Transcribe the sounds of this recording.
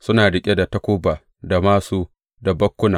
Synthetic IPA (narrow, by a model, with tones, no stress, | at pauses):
sʊ˦naː˨ɽɪ˨kʲʼe˦da˨tɐ˦kʷoː˦baː˨ | da˨maː˦suː˦ | da˨bɐ˦kʷːʊ˦naː˨